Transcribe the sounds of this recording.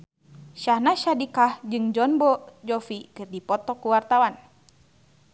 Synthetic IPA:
ʃahnaʃadikahd͡ʒɨŋd͡ʒɔnbɔd͡ʒɔfikɨrdipɔt̪ɔkuwart̪awan

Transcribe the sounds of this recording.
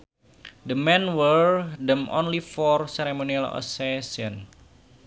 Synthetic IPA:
d̪əmɛnwəɹdəmʔo̰nlifɔrsɛɾemonialɔ̰sesiɔn

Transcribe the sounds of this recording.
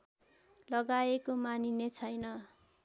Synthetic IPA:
lʌɡaekomaninet͡sʰʌjnʌ

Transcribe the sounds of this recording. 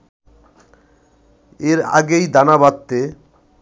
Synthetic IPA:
eɾa̰ɡejd̪anabat̪ːe

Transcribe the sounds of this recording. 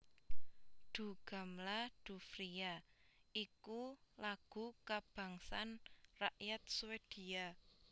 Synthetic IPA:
ɖ̪̥ṳɡ̥a̤mlad̪̥ṳfɾiaikulaɡ̥ṳkab̥ä̤ŋsanraʔjat̪̚suwed̪̥i̤a

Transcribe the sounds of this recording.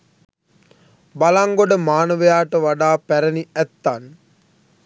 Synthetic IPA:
balaŋɡoɖəmaːnəʋəjaːʈəʋaɖaːpæɾəniæt̪ːan

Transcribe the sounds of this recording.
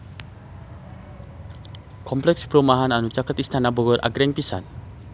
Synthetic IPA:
kɔmplɛkspɾɔmaɦananut͡ʃakat̪ist̪ʰanabəɡəɾʔa̰ɡɾɛŋpisa̰n

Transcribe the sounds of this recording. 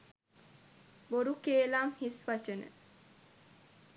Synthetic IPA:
boɾukeːlaːmhisʋat͡ʃənə̰

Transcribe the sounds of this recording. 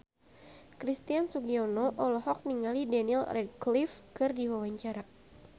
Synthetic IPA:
kɾist̪iansuɡiɔnɔʔɔlɔɦɔk̚niŋalidanilrɛd̚klifkɨrdiwawaɲt͡ʃaɾa

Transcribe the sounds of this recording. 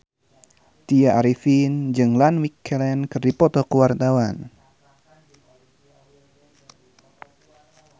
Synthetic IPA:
t̪iaʔaɾifind͡ʒɨŋlanwikʰːɛlɛnkɨrdipɔt̪ɔkəwart̪awan

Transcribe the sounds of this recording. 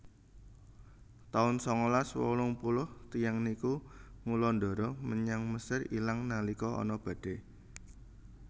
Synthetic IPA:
t̪aʊnsɔŋɔlaswɔ̰lʊŋpulʊht̪ijaŋnikuŋulɔndɔ̤ɾɔməɲaŋməsɪrḭlaŋnalikɔɔ̰nɔb̥a̤d̥e

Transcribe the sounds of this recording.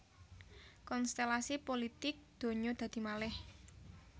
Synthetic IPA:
kɔnst̪elasipolit̪ɪk̚d̪̥o̤ɲod̪̥ä̤d̪̥i̤malɛh

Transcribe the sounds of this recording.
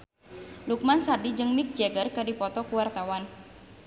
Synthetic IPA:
luk̚mansadid͡ʒɨŋmik̚d͡ʒɛɡərkədipɔt̪ɔkuwart̪awan

